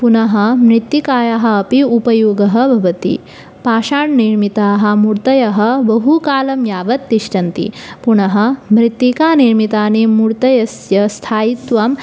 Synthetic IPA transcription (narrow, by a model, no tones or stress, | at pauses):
punɐɦɐ̆mɾit̪ːikaːjɐɦɐ̆ɐpiupɐjoːɡɐɦɐ̆bʱɐʋɐt̪ḭ | paːʃaːɳniɾmit̪aːɦɐ̆muɾt̪ɐjɐɦɐ̆bɐɦukaːlɐmjaːʋɐt̪ːiʃʈɐnt̪ḭpunɐɦɐ̆mɾit̪ːikaːniɾmit̪aːneːmuɾt̪ɐjɐsjɐst̪ʰaːjit̪ʋaːm